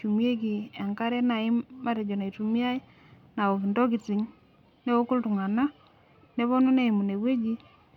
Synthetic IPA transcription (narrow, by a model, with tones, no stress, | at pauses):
t͡ʃu˨mje˦k̬i˨e˨ŋka˦ɾɛ˦na˨ɪ˦ma˦ɾɛ˨d͡ʒɔ˨na˨i˨tu˨mi˦a˦i˦ | na˨o˨ki˨ndɔ˦k̬i˨t͡si˨ŋ | ne˦o˦ku˦ltu˨ŋa˨na˦ | ne˨˦βɔ˦no˦ne˦i˨mu˨ne˨we˦d͡ʒi˦